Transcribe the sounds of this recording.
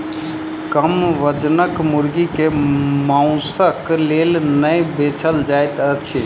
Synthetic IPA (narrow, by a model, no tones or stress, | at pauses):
kəmʋəd͡ʒnəkmuɾɡikemaʊ̃səklelnəjbet͡ʃʰəld͡ʒajt̪ət͡ʃʰi